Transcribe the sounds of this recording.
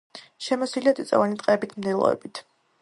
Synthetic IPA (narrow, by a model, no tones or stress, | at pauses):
ʃɛmɔsiliat̪ʼit̪sʼɔ̰vanit̪ʼqʼɛːbit̪ʰmd̪ɛlˠɔ̰ɛ̰bit̪ʰ